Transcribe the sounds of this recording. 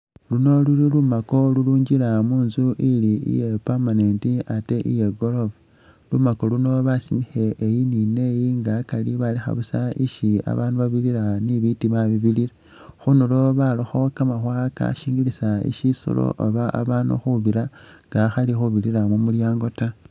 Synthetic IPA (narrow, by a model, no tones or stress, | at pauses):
luno̞lulilumako̞luluːɲɟiɾamuːnzuʔiliḭje̞pamanentiate̞ʔḭje̞ɡo̞loβa | lumako̞luno̞βasimixe̞ʔːjinine̞jiŋɡaːkaliβalixa̰βusaiʃia̰βanuβaβiliɾaniβitiβaβiβiliɾa | xunulo̞βaloxo̞kamaxwaːka̰ʃiːŋɡilisaḭʃiso̰lo̰ʔoβaʔa̰βaːnṵxuβiɾaŋɡaxalixuβiliɾamumuljaːŋɡo̞ta